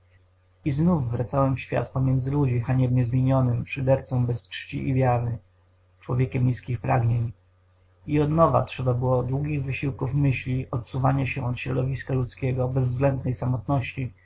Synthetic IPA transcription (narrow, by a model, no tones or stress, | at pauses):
iznufːɾat̪sawɛmfɕfʲja̰t̪pɔmʲjɛnd̪zɘlud͡ʑixaɲɛbɲɛzmʲjeɲɔnɘmpʂɘd̪ɛɾt̪sɔ̃w̃bɛst͡ʂt͡ɕḭʔivʲjaɾɘ | t͡ʂwɔvʲjɛkʲɛmɲʲiskʲixpɾaɡɲeɲ | iɔd̪nɔva̰tʂɛbabɘwɔd̪wuɡʲiɣvɘɕiwkufmɘɕlʲiʔɔt̪suvaɲaɕɛʔɔt̪ɕɾɔd̪ɔvʲiskalut̪skʲɛɡɔbɛzːɡlɛnd̪̚nɛjsamɔt̪nɔɕt͡ɕi